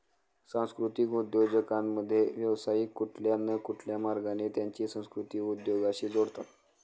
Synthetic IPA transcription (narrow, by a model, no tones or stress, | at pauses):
sãw̃skɾut̪ikud̪jod͡ʑəkamːəd̪ʱːjeʋjəʋsaikːuʈʰljanːəkuʈʰljamaɾɡanet̪jaɲt͡ɕiːsə̃w̃skɾut̪iːkud̪joɡaɕiːd͡zoɽt̪at̪